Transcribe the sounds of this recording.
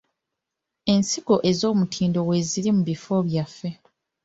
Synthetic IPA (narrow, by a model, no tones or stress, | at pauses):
e̞nsiɡ̥o̞ʔe̞zo̞ːmutʰiːndo̞we̞zilimuβifo̞ːβjafːe̞